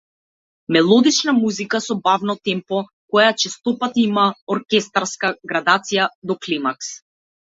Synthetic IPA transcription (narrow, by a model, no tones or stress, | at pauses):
mɛlˠɔd̪it͡ʃnamuzikasɔbavnɔt̪ɛmpɔ | kɔjat͡ʃɛst̪ɔpat̪imaɔɾkʲɛst̪aɾskaɡɾad̪at̪sijad̪ɔklimaks